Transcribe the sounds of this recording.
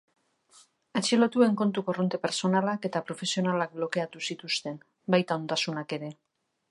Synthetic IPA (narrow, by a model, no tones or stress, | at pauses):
at͡ʃilo̞t̪ue̞ŋko̞nt̪uko̞ro̞nt̪e̞pe̞ɾso̞nalake̞t̪apɾo̞fe̞sio̞nalak̚blo̞ke̞at̪usit̪ust̪e̞n | bajt̪ao̞nd̪asunake̞ɾe̞